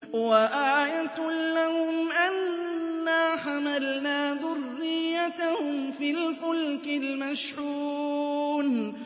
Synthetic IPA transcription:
waʔaːjat̪lahʊmʔanː | aːħamalnaːðʊrːɪjːat̪ahʊmfiːlfʊlkɪlmaʃʕuːn

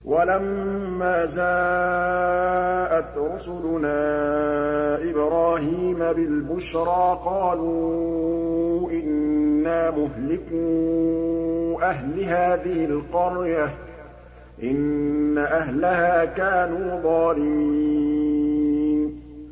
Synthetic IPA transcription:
wʔalamːaːzaː | ʔat̪ɾʊsʊlʊnaː | ʔɪbɾaːhiːmabɪlbʊʃɾɑːqɑːlu | ʔɪnːaːmʊɦlɪkuː | ʔaɦlɪɦaːðɪhɪlqʊɾja | ʔɪnːaʔaɦlahaːkaːnuːðˤɑːlɪmi | n

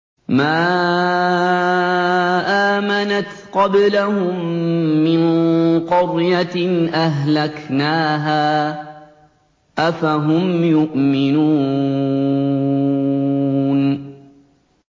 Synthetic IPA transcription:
maː | ʔaːmanat̪qɑblahʊmːɪnqʊɾjaʔaɦlaknaːɦaː | ʔafaɦʊmjʊʔmɪnuː | n

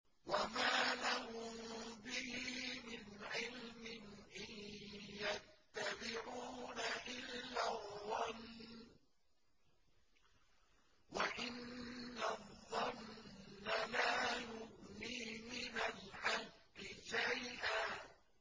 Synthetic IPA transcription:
wamaːlahʊmbɪhiːmɪnʕɪlmɪnʔɪjjat̪ːabɪʕuːnaʔɪlːaðˤːɑnː | waʔɪnːaðˤːɑnː | alaːjʊɣniːmɪnalʔɑlqːɪʃajʔaː

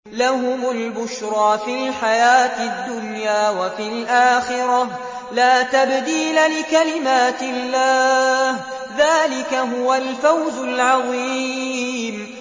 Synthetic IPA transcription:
lahʊmʊlbʊʃɾˤɑːfilħajaːt̪ɪd̪ːʊnjaːwafilʔaːxɪɾɑ | laːt̪abd̪iːlalɪkalɪmaːt̪ɪlːaːh | ðaːlɪkaɦʊwalfawzʊlʕɑðˤi | m

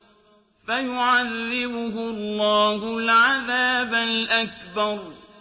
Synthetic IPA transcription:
fajʊʕaðːɪbʊɦʊlːɑːhʊlʕaðaːbalʔak̚bɑɾˤ

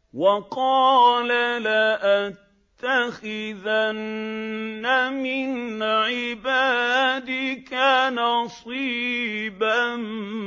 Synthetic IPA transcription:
wɑqɑːlalaʔat̪ːaxɪðanː | amɪnʕɪbaːd̪ɪkanɑsˤiːban

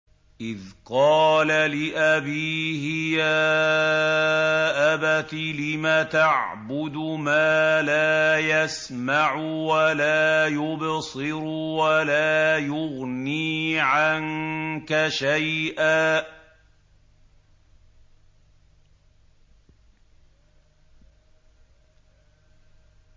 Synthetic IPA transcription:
ʔɪðqɑːlalɪʔabiːhɪjaː | ʔabat̪ilɪmat̪aʕbʊd̪ʊmaːlaːjas | maʕʊwalaːjʊbsɨɾʊwalaːjʊɣniːʕankaʃajʔaː

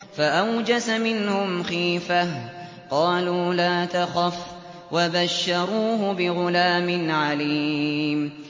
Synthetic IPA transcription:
faʔawd͡ʒasamɪnhʊmxiːfa | qɑːluːlaːt̪axaf | wabaʃːɑɾˤuːɦʊbɪɣʊlaːmɪnʕaliːm

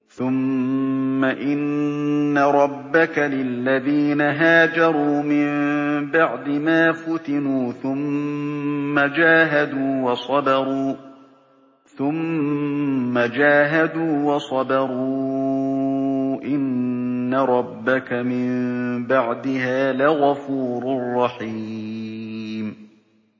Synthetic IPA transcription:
θʊmː | aʔɪnː | aɾˤɑbːakalɪlːaðiːnaɦaːd͡ʒɑɾˤuːmɪmbaʕd̪ɪmaːfʊt̪ɪnuːθʊmː | ad͡ʒaːɦad̪uːwɑsˤɑd̪ɑɾˤuː | θʊmː | ad͡ʒaːɦad̪uːwɑsˤɑd̪ɑɾˤuː | ʔɪnːaɾˤɑbːakamɪmbaʕd̪ɪhaːlɪɣafuːɾʊrˤːɑħi | m

